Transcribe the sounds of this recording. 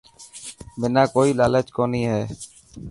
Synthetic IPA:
mɪnãːkoːiːlaːleːt͡ʃkoːniːɦɛː

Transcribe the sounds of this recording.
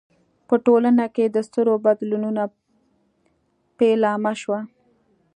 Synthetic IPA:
pəʈolanaked̪əst̪əɾobad̪lununa | pelɑmaʃwa

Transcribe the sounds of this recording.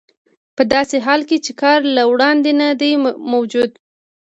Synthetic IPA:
pəd̪ɑseɦɑlket͡ʃekɑɾlawɽɑnd̪enad̪ajmawd͡ʒud̪

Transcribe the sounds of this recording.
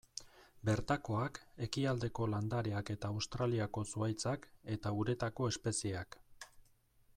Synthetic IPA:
be̞ɾt̪ako̞ake̞kiald̪e̞ko̞land̪aɾeake̞t̪aːwst̪ɾaliako̞suajt͡sake̞t̪auɾe̞t̪ako̞e̞spe̞sie̞ak

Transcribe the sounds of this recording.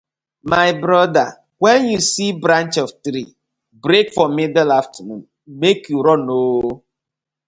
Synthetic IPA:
maɪbɾɔda̰ | wɛnjusibɾãnt͡ʃɔvtɾi | bɾekfɔmɪdalaftʰəmṵ̃n | mekjuɾɔno

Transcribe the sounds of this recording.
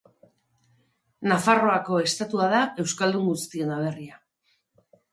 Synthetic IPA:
nafaro̞ako̞e̞st̪at̪uaðae̞wskald̪uŋɡust̪ie̞naβe̞ria

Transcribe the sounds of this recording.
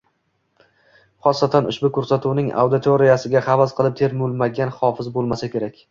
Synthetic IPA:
χɒsːat̪ʰanʊ̰ʃbʊkʰɵɾsat̪ʰuwnɪŋa̰wd̪ɪt̪ʰoɾijasɪɡʲaχɑvazqʰɨlˠɪp̚t̪ʰe̞ɾmʊlˠmaɡʲanχɒfɪzbolˠmasakʲʰe̞ɾakʲ

